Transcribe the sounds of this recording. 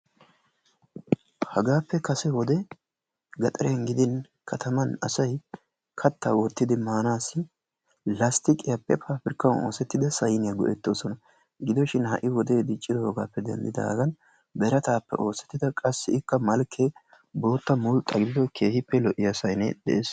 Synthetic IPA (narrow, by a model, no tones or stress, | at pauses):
hɐɡaːpːɛkɐsɛwɔd̪ɛ | ɡɐt̪ʼɐɾɛjɐŋɡɪd̪ɪn | kʰɐt̪ʰɐmɐnɐ̰sɐj | kʰɐt̪ʰːaːwɔt̪ːɪd̪ɪmaːnaːsːɪ | lɐst̪ɪkʼɪjapːɛpʰaːpɪɾkːɐwno̰ːsɛt̪ːɪd̪ɐsɐjnɪjɐɡɔ̰ʔɛt̪ːo̞ːsɔnɐ | ɡɪd̪ɔʃɪnhɐʔɪwɔd̪e̞ːd̪ɪt͡ʃʼːɪd̪ɔhɔɡa̰ːpːɛd̪ɛ̰nd̪ɪd̪a̰ɡɐn | bɛɾɐt̪aːpːɛ̰ʔo̞ːsɛ̥t̪ːɪd̪ɐkʼɐsːɪɪkːɐmɐlkʰːe | bo̞ːt̪ːɐmʊlt̪ʼɐɡɪd̪ɪd̪ɔkʰe̞ːhɪpːɛlɔʔɪjasɐjnɛ̰d̪ɛ̰ʔeːs